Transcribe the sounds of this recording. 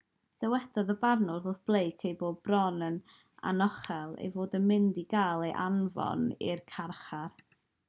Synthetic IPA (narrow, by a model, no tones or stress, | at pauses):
d̥ɛwɛdɔðəbarnʊðʊθb̥lˠejkʰejboːd̚brɔnən | a̰nɔχɛlˠḛjvoːdənmɪndiɡaːlˠejʔa̰nvɔ̰nḭrkʰarχar